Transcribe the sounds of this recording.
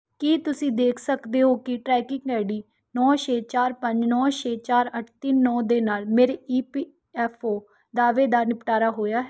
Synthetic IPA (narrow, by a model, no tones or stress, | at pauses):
kiːt̪ʊsĩːd̪eːkʰsəkd̪eːɦoːkɪʈɾɛːkɪŋɡɛːɽiː | nɔːʃeːt͡ʃaːɾpəɲd͡ʒnɔːʃeːt͡ʃaːɾəʈʰt̪ɪnːɔːd̪eːnaːlmeːɾeːiːpiː | ɛːpʰoː | d̪aːʋeːd̪aːnɪpʈaːɾaːɦoːjaːɦɛ